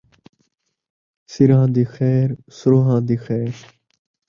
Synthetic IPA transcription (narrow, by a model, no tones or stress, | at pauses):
sɪɾãːd̪iːxɛːɾsʊɾoːɦãːd̪iːxɛːɾ